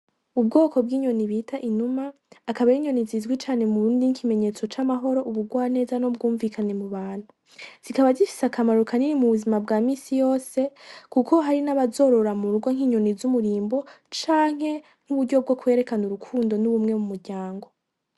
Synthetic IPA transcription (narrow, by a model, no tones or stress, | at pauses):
ub̚ɡo̞ːko̞bɡiːɲo̞niβiːtaʔinumaː | kaβaiɲo̞nizizɡwit͡ʃaːne̞muɾuːndiŋkʰime̞ɲe̞ːt͡so̞t͡ʃamaɦo̞ɾo̞ʔuβuɡwaːne̞ːzano̞b̚ɡuːɱvikʰane̞muβaːn̥hu | z̥ikaβazifi̥sakamaɾukaniɾimuβuzimabɡaːmiːsijo̞ːse̞kukʰo̞ɦaɾinaβazo̞ːɾo̞ɾamuɾuɡwoŋ̥iːɲo̞nizumuɾiːmbo̞ | t͡ʃaːŋ̥ɦhe̞ | ŋ̥uβuɾɟo̞b̚ɡo̞kwe̞ːɾe̞kanuɾukʰuːndo̞nuβumŋe̞mumuɾɟaːŋɡo̞